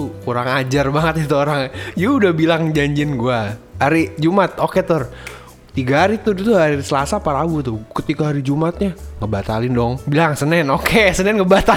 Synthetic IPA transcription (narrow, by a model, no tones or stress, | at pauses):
ukuɾaŋad͡ʒarbaŋət̪̚it̪uoɾaŋd͡ʒuudahbilaŋd͡ʒaɲd͡ʒɪnɡua | haɾid͡ʒumat̪̚oket̪ʊr | t̪iɡaɦaɾit̪uit̪uhaɾisəlasapaɾabut̪ukət̪ikaɦaɾid͡ʒumat̪̚ɲaŋəbat̪alɪndɔŋbilaŋsənɛnokesənɛnŋəbat̪a